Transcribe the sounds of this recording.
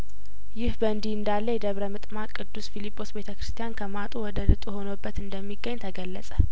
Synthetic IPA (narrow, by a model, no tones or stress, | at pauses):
jɪhbəɨnd̪iɨnd̪alːəjɛd̪əβɾəmɨt̪ʼmakʼɨd̪ːusfilipʰʼːo̞sbe̞t̪ʰəkɾɨ̥st̪ʰijankʰəmat̪ʼuwɔd̪əlɨt̪ʼuho̞nəbːət̪ɨnd̪əmːiɡːəɲːt̪ʰəɡəlːəsʼə